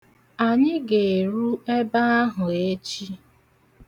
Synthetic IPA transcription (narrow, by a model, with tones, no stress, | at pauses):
a˨ɲɪ˦ɡe˨e˨ɾu˦e˦ba˦a˦ɦʊ˨e˦t͡ʃi˦